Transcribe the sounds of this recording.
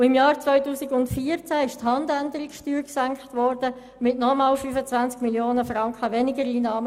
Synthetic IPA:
ɪmjɑːɾt͡sʋœʏtuːsɪɡʊntfiəɾt͡sæɪʃthɑndændəɾiksʃtyːɾksæŋkχtʋɔɾd̥ə | mɪtnɔmɑːlfyːfət͡sʋænt͡skmiljoːnəfrɑŋkχəʋɛnɪɡəɾiːnɑːmə

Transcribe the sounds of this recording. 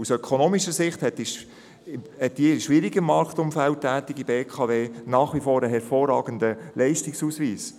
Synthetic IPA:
usœkʰonoːmiʃəsɪχthɛti | hɛt̚d̥iʃʋɪɾiɡəmɑɾktʊmfæltːæːtɪɡibeːkʰɑveːnɑːχʋifoːɾəɦɛɾfoːrɑːɡənd̪əlɛɪstɪksuːsʋiːs

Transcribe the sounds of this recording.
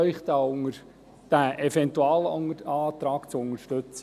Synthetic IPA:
œʏχt̪aːʊŋəɾ | d̥æʔɛfɛnt̪uɑːlɑːt̪ɾɑːkt͡sʊŋəʃtɵt͡s

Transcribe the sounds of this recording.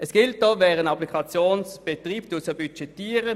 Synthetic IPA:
əsɡ̥ɪlt̚d̥oːvɛːʁənɑplikʰɑt͡sjoːnsb̥et̪ʁiːptusəbyt͡ʃɛtiːʁə

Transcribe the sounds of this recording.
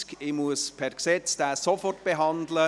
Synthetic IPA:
kɪmuəspʰɛrksɛt͡sd̥aːsofɔrtb̥eɦɑndlə

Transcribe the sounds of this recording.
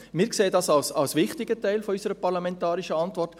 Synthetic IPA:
mɪːɾkseːədɑsɑlsɑlsʋɪχtɪɡətɛɪlfɔysəɾəpɑɾlamɛntɑːɾiʃəɑntʋɔrt

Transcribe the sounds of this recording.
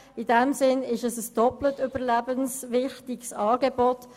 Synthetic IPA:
ɪdɛmsɪnɪʃəsəsd̥ɔplətʏb̥əʁlæbənsʋɪχtiksɑːɡebɔt

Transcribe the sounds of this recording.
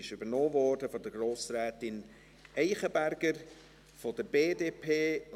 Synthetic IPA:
ɪʃʏbənoːvɔːrdəfɔdəɡroːsɾɛːtɪn | ʔɛɪχəbæɾɡ̥əɾ | fɔd̥əɾbeːdeːpʰeː

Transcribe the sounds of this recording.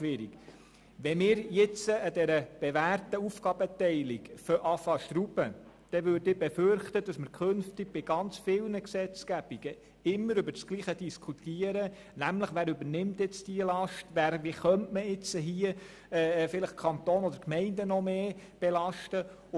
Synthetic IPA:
ʃʋɪɾḭk | ʋɛmɪːɾjɪt͡səːdɛɾəb̥ɛʋærtəufɡ̥ɑb̥ətɛɪliɡføʔɑfɑʃtɾubə | d̥ɛʋøɾdɪbɛføɾχt̪əd̥ɑsməɾkʰønftiɡ̥̚b̥ɪɡ̥ɑnt͡sfɪlnəksɛt͡sɡ̥æb̥iɡ̥ə | ɪmːəɾʉbəɾt͡skliːχəd̥iskʰut̪iəɾə | næmləχʋæːɾʉbənɪmt̪ɪt͡stiəlɑʃtʋæːɾʋiχœntməɪt͡səɦiə | ɛfɪləχ̚kʰɑnt̪oːnɔd̪əɾkmɛɪndənɔmeːb̥ɛlɑʃtə

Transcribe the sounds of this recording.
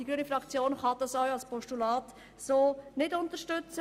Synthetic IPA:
d̥iɡɾyənifɾɑkt͡sjoːnχɑd̥̪ɑsœwɑlspɔʃtulɑːt | soːnɪdʊnt̪əʃtʏt͡sə

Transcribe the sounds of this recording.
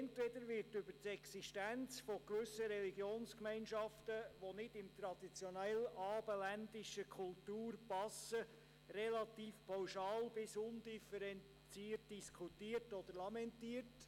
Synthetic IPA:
ɛntʋɛd̪əɾʋɪɾtʏb̥əɾtɛksiʃtænt͡sfɔɡ̥ʋʏsːəɾɛliɡjoːnskmɛɪnʃɑftəʋonɪdɪmt̪ɾɑd̥̪it͡sjonɛlɑːbəlændɪʃəkʰultuːɾpɑsə | rɛlɑt̪iːfpʰawʃɑːlb̥ɪsʊndifɛɾɛn | t͡siːt̚d̥iskʰutiːəɾtɔd̪əɾlɑmɛntiːəɾt

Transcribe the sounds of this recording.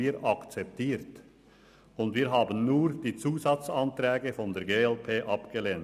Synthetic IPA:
iːɾɑkt͡sɛp̚tʰiːɾt | ʊnd̪viːɾɦɑːbənnuːɾd̥̪iːt͡suːsɑt͡sɑnt̪ɾɛːɡəfɔnd̪eːɾɡeːɛlpʰeːʔɑpɡ̥əleːn

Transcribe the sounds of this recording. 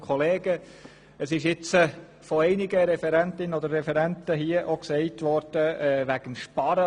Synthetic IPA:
kʰχɔleːɡə | əsɪʃɪt͡sə | fɔɛɪnɪɡəɾɛfɛɾɛntɪnənɔd̪əɾːɛfɛɾɛntəɦiəʔoksɛɪtʋɔɾd̥əɛːʋæɡ̥ənʃpɑɾə

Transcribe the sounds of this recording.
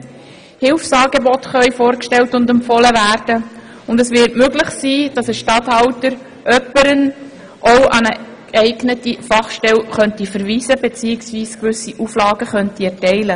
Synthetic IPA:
hɪlfsɑːɡebɔtχœʏfoːɾkʃtɛltʊndɛmpfɔləvæːɾd̥ə | ʊndɛsʋɪːtmøɡlɪχsiːd̥ɑsəʃtɑthɑwtəɾ | ʔœpəɾən | ʔowʔɑnə | ɡ̥ɛɪɡnətifɑχʃtɛlχœntifəɾʋiːzəbet͡siːɪksʋiːskʋʏsiʔuflɑːɡəχœntiɛɾtɛɪlə

